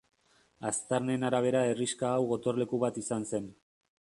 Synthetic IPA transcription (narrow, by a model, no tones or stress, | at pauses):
ast̪aɾnenaɾaβ̞e̞ɾae̞riskaːwɣo̞t̪o̞rle̞kuβat̪isanse̞n